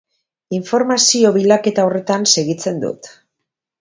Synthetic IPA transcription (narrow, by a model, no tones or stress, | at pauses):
iɱfo̞ɾmasio̞βilake̞t̪aore̞t̪anse̞ɣit͡se̞nd̪ṵt̪